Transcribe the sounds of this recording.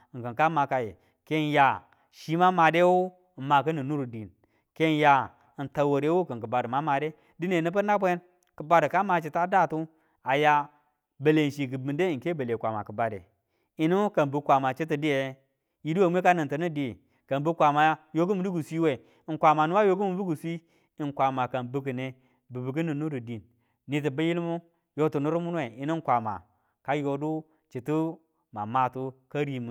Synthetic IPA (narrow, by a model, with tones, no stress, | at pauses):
ŋ˨kə˨ŋka˦ma˨ka˨jḛ˨ | ke˦n˨ja˨ | ʃi˦ma˦ma˨de˦wo˦˨ | ma˨kə˦nɨ˨nu˦ɾu˨di˨n | ke˦n˦ja˨ | nta˨wo˨ɾe˦wo˦kə˨ŋkə˨ba˨də˨ma˦ma˨de˦ | di˦ne˨nɨ˦pə˦na˦bʷe˦ | kə˨ba˦də˨ka˦ma˧t͡ʃi˨ta˦da˦˨tu˦ | a˨ja˦ | be˨le˨n˨ʃi˨ɡɨ˨bi˨nde˦˨ŋ̩˨ke˦bə˨le˨kʷa˨ma̰˨kə˨ba˨dḛ˨ | i˨nu˦kə˨nbu˨kʷa˨ma˨t͡ʃe˦t̬ə˨di˦je˨˦ | ji˦du˦wa˨mʷe˦ka˦nɨ˨ntə˨ni˦di˨ | ka˨nbu˦kʷa˨ma˨˦jo˦ɡu˦mu˨du˦ɡu˨sʷi˦we˨ | ŋ˨kʷa˨ma˨nu˦wa˦jo˦ɡu˦mu˨bu˦ɡu˨sʷi˦ | i˨ŋkʷa˨ma˨ka˨nbu˦kə˨ne˨ | bɨ˨bi˨ɡi˦nu˨nu˦ɾi˨di˨nː | i˨t̬i˨bə˦ji˦lmu˦ | jo˦tu˨nu˦ɾu˦mu˦n˦we˨i˨nu˦ŋ˦kʷa˨ma̰˨ | ka˦jo˨du˦ | t͡ʃi˨tu˦ | ma˨ma˨tu˦ka˦ɾi˨mu˨